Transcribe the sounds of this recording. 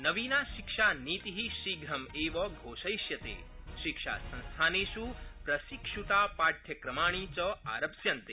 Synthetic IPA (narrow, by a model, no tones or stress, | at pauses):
nɐʋiːnaːʃikʃaniːt̪iɦiʃiɡɾɐmeːʋɐɡʱoːʃɐjʃjɐt̪ḛː | ʃikʂa̰ːsɐ̃ñst̪ʰaːneːʃupɾɐsikʂut̪aːpaːʈ̪ʰjɐkɾɐmaːɳ̃it͡ʃɐa̰ːɾɐpsjɐnt̪eː